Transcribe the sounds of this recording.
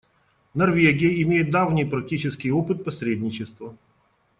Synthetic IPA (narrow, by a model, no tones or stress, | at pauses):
nɐrvʲeɡʲɪjəɪmʲejɪt̪̚d̪avnʲɪjpɾɐk̚tʲit͡ɕɪskʲɪjopɨt̪̚pɐsʲɾʲedʲnʲɪt͡ɕɪst̪və